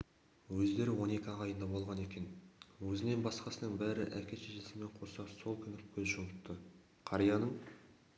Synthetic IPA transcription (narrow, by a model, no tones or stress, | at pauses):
wɵzd̪e̞ɾɪwo̞ne̞kʲɪɑʁɑjənd̪ɑbo̞lˠʁɑne̞kʲe̞nwɵzɪne̞nbɑsqɑsənəɴbæɾɪ̰ʔækʲe̞ʃeʒesɪme̞ɴqʰo̞sɑso̞lˠkʲʰʏnɪkʲʰɵzʒolətt̪ːə | qʰɑɾijɑnəɴ